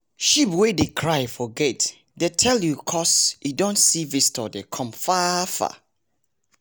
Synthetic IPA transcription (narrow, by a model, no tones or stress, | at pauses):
ʃipwedekʰɹajfɔɡɛt | detʰɛljukʰɔsidɔ̃ntsivistɔdekʰɔ̃mfafa̰